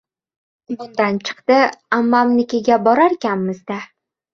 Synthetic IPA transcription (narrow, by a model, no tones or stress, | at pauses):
bʊnd̪ant͡ʃʰɨ̥qt̪ɪamːamnɪkʲeɡʲabɒɾaɾkʲanmɪzd̪a